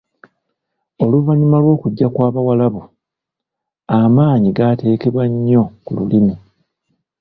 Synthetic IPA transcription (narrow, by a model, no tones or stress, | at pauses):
o̞luvaɲumalwo̞ːkuɟːakwaːβawalaβu | amaːɲiɡate̞ːke̞βwaɲːo̞kululimu